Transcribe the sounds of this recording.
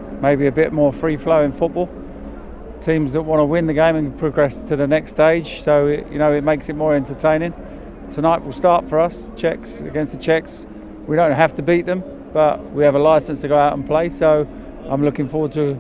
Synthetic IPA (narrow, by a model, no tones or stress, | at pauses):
meɪbiɨbɪʔ̚mɔɹfɹifləʊɪ̃nfʊt̚b̥ɔlˠ | tʰĩːmzðəʔ̚wɑ̃ñəwɪ̃nðɨɡẽɪ̃mə̃npʰɹ̥əɡɹɛstʰɨðənɛksteɪd̥ʒ̥soʊɪʔjɨ̰noʊɪt̚meɪksɨt̚mɔːɹɛ̃ntə˞tʰẽɪ̃ñɪ̃ŋ | tʰənaɪʔwɪlˠstɑɹtfə˞ʌs | t͡ʃʰɛksə̰ɡɛ̃nsðət͡ʃʰɛks | wiɾõʊ̃nʔɦæftəbiˑʔ̪̚ðə̃m | b̥ʌʔwiɨvəlaɪsə̃nstʰəɡoʊaʊɾn̩pʰl̥eɪsoʊ | ʔãɪ̃mlʊkɪ̃ŋfɔɹwəd̚tʰə